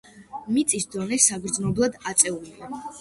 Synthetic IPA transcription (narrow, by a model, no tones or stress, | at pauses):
mit̪sʼisd̪ɔnɛsaɡɾd̪znɔblˠad̪at̪sʼɛulia